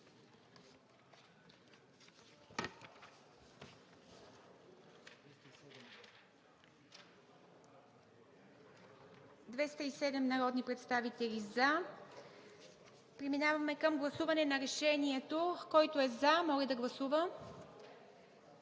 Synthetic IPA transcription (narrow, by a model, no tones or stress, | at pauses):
d̪vɛst̪əisɛd̪ɛmnɐɾɔd̪nipɾɛt̪st̪avit̪ɛliza | pɾiminavɐmɛkəmɡlˠɐsuvɐnɛnɐɾɛʃɛniɛt̪okɔjt̪oɛzamɔlɛd̪ɐɡlˠɐsuvə